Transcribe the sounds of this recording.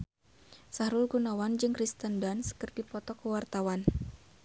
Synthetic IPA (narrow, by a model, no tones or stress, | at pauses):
saɾulɡunawand͡ʒɨŋkɾist̪əndanskərdipɔt̪ɔkəwart̪awan